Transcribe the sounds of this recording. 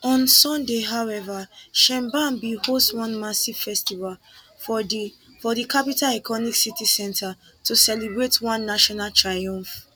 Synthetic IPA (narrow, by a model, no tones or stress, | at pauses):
ɔ̃nsɔ̃ndeɦaʊwɛvaʃɛ̃mbãmbihostwɔ̃nmasiv̥fɛstival | fɔdikapitalɛkɔniksitisɛ̃ntʰa | tusɛlibɹetwãnːaʃɔnaltʰɹajɔ̃ɱf